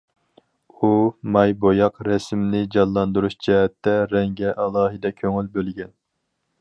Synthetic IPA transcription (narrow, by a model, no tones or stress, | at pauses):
umɑjbojɑqɾɛsmnɪd͡ʒɑnlˠɑnd̪uɾuʃd͡ʒɛɦɛt̪ːɛɾɛŋɡʲɛʔɑlˠɑːɦɨd̪ɛkʲʰøŋylbølɡʲɛn